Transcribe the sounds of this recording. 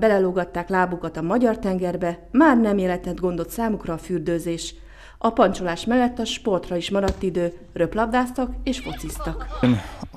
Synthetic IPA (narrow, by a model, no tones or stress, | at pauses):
bɛlɛloːɡɒt̪ːaːklaːbukɒt̪ɒmɒɟɒrt̪ɛŋɡɛrbɛmaːrnɛmeːlɛt̪ɛd̪ɡo̞nd̪o̞t̪saːmukrɒːfyrd̪øːzeːʃ | ɒpɒnt͡ʃolaːʃmɛlːɛt̪ːɒʃpo̞rt̪rɒiʃmɒɾɒt̪ːid̪øː | rø̞plɒbd̪aːst̪ɒkeːʃfo̞t̪sist̪ɒkn